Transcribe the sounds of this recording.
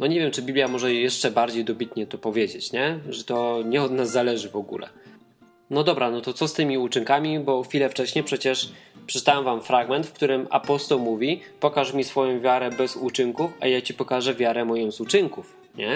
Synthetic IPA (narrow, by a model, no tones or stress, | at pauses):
nɔɲevʲjɛmt͡ʂɘbʲiblʲjamɔʐɛjɛʂt͡ʂɛbaɾd͡ʑejd̪ɔbʲit̪ɲɛt̪ɔpɔvʲjed͡ʑet͡ɕɲɛʐɛt̪ɔɲɛɔd̪nazːalɛʐɘvɔɡṵlɛ̰ | nɔd̪ɔbɾanɔt̪ɔt̪sɔst̪ɘmʲiut͡ʂɘŋkamʲibɔxfʲilɛft͡ʂɛɕɲɛpʂɛt͡ɕɛʂpʂɛ̥t͡ʂt̪awɛmvamfɾaɡmɛnt̪fk̚t̪uɾɘma̰pɔst̪ɔwmuvʲi | pɔkaʂmʲisfɔjɔ̃w̃vʲjaɾɛbɛzut͡ʂɘŋkufa̰jat͡ɕipɔkaʐɛvʲjaɾɛmɔjɔ̃w̃zut͡ʂɘŋkuf | ɲɛ